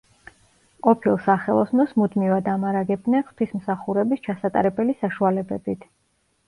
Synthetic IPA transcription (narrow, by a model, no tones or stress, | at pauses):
qʼɔpʰilˠsaχɛlˠɔsnɔsmud̪mivad̪amaɾaɡɛb̪̚nɛnχt̪ʰwismsaχuɾɛbist͡ʃʰasat̪ʼaɾɛbɛlisaʃualɛbɛbit̪ʰ